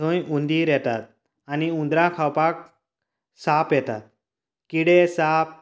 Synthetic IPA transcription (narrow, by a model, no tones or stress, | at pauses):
õjund̪iɾjɛt̪a̰t̪̚ | aniũnd̪ɾãkʰawpak̚ | sapjɛt̪a̰t̪̚ | kiɽesap̚